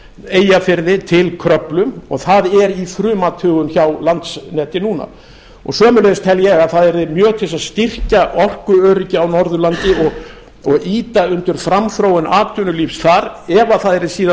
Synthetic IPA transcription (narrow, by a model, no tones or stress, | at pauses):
eːjafɪɾðɪt̪ʰɪlkʰɾœplʏmɔɣθaðɛɾifɾʏːmat̪ʰʏːɣʏnçawlant̪snɛːt̪ɪnuna̰ | ɔ̰ɣsœːmʏleðst̪ʰɛljɛɣaðθaðɛɾðɪmjœːt̪ʰɪlsaðst̪ir̥caʔɔr̥kʏœːɾʏcɪawnɔɾðʏlant̪ɪɔɣ | ɔɣiːt̪aʏnt̪ʏɾ̥fɾamfɾowɪnaːt̪ʰʏnʏlifsθaɾɛvaθaðɛɾðɪsiːða